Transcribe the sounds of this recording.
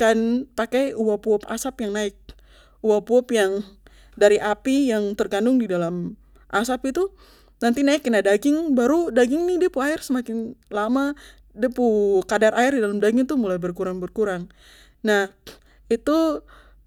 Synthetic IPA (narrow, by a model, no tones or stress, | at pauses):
kanpakajuwapuɔpa̰sapjaŋnaɪk̚ | uwapuɔpjaŋ | daɾiʔapijaŋt̪ərɡandʊŋdidalam | ʔasapit̪u | nant̪inaɪknadaɡɪŋbaɾudaɡɪŋnɪdiapuaɪrsəmakɪnlama | diəpukadarʔaɪrdidalamdaɡɪŋt̪ʊmulajbərkuɾaŋbərkuɾaŋ | nah | it̪u